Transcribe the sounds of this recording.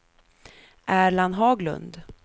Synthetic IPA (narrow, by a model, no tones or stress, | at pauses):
ʔæːɾɭanɦɑːɡlɵ̰nd̪